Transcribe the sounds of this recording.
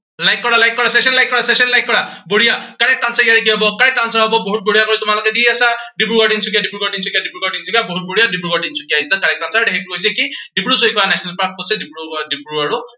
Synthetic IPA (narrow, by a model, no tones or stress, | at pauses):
lajkːɔɹalajkːɔɹasɛsɔnlajkːɔɹasɛsɔnlajkːɔɹaboɹijakaɹɛk̚tansakijaɾek̬iaɦɔbɔkaɹɛk̚tansaɹɦɔbɔboɦut̚boɹijakoɹitʊmalɔkɛdiasaɖibɹuɡɔɖiŋsuk̬ijadibɹuɡɔɖinsukijadibɹuɡɔɖinsukijaboɦut̚boɹijadibɹuɡɔɖinsu̥kijaistakaɹɛk̚tansaɹdekek̚tukojs̬ɛkiɖibɹusoikɔanɛsɔnalpaɹk̚kotsɛdibɹudibɹuaɹʊ